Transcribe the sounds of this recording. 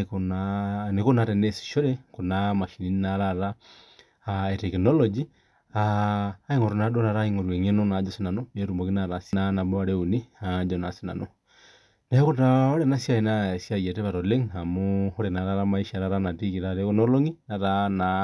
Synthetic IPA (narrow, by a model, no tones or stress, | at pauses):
konanekonatenesi̥ʃoɾekonamaʃinininaɾaɾa | etekinolod͡ʒi | aːiŋoɾonaɗonaɾaiŋoɾweŋenonad͡ʒosinanoeɾumbokinaɾasinanaboaɾeuniad͡ʒonasina̰no | naekotaoɾenasjajinasjajeteβaɾoleŋamohoɾenaɾaɾamaiʃiaɾaɾanatikiɾaɾekonoloŋinaɾana